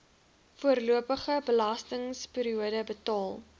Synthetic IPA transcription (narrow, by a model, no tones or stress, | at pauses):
fuərluəpəχəbəlɐstəŋspiːɾiuədəbətɑːlˠ